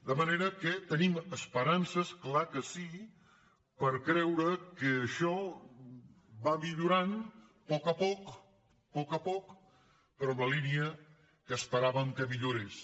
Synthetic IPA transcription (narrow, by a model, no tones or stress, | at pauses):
d̪əməneɾəkət̪əniməspəɾansəsklakəsi | pəɾkɾɛwɾəkəːʃɔ | bamiʎuɾan | pɔkəpɔk | pɔkəpɔk | pəɾɔmləliniə | kəːspəɾaβəŋkəmiʎoɾes